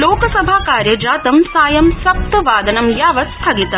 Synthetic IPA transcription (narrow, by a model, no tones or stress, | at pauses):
loːkɐsɐbʱaːkaːɾjɐd͡ʒaːt̪ɐmsaːjɐmsɐp̚t̪ɐʋaːd̪ɐnɐmjaːʋɐst̪ʰaːɡit̪ɐ